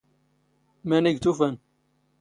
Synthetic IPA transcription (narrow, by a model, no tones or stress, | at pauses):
mæniɡt̪ufæn